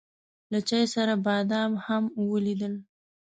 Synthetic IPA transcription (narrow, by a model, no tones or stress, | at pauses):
lat͡ʃɑjsaɾabɑd̪ɑmhamwəlid̪əl